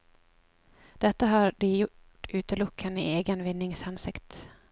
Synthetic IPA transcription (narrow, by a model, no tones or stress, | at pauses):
d̪̥ɛt̪ːaɦaɾɖɪjʊʈː | ʉ̟ːt̪əlʊkʰːanɪʔeːɡənvɪnːɪŋsansɪkt̪